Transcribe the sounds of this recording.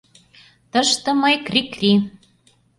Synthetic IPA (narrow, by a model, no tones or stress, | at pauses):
t̪ɤ̆ʃt̪ɤ̆mɤjkrikri